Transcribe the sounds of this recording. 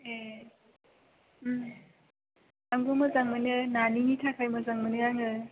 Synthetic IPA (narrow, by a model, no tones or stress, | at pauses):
e | aŋɡumɯzaŋmɯnɯnaninitʰakʰajmɯzaŋmɯnɯaŋɯ